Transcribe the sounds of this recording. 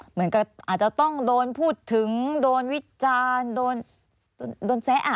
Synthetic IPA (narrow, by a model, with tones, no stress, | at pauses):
mɯ˩˦ənka˧˩p̚ʔaː˨˩t̪̚t͡ɕa˨˩t̪ɔ˥˩ŋdoː˧npʰuː˥˩t̪ʰːɯ˩˦ŋdoː˧nwi˦˥t͡ɕaː˧ndoː˧n | doː˧ndoː˧nsɛ˦˥ʔa˨˩